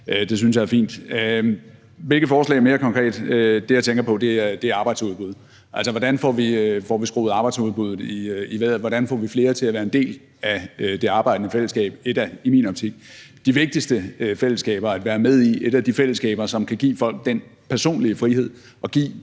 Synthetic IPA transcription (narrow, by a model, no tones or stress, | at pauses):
d̥e̝s̬ynsjɑ̈æɐfḭːnd̥ø | ʋe̝lɡ̥əfɒːslɛ̰ːɪme̝ːɐkʰɒ̽ŋkʰʁɛ̰ːd̥ød̥e̝jɑ̈ɪt͡sʰeŋɡ̥ɐpʰɒ̽d̥e̝d̥e̝ɑ̈ːb̥ɑ̈ɪd̥suðˠb̥uð̞̰ˠ | ʔæl̰səʋɒd̥ænfɒ̰ʋiøfɒ̰ʋisɡ̥ʁo̝ːð̩ˠɑ̈ːb̥ɑ̈ɪd̥suð̞ˠb̥uð̞ˠð̩ˠiiʋæð̰ˠʋɒɾ̥ænfɒ̰ʋifle̝ːɐt͡sʰe̝æʋæːɐe̝nde̝̰ːl | æd̥e̝ɑ̈ːb̥ɑ̈ɪd̥ənəfeləsɡ̥ɛ̰ːb̥e̝d̥æimiːnɒ̽b̥t͡sʰiɡ̥d̥iʋe̝ɡ̥̚d̥isd̥əfel̰əsɡ̥ɛ̰ːb̥ɐæd̥ʋæːɐmeð̞ˠie̝ɾ̥æd̥ifel̰əsɡ̥ɛ̰ːb̥ɐsɒ̽mkʰæɡ̥ḭːfɒ̽l̰ɡ̥̚d̥enpʰæɐso̝̰ːnliəfʁihe̝ð̰ˠ | ɒ̽ɡ̥ḭː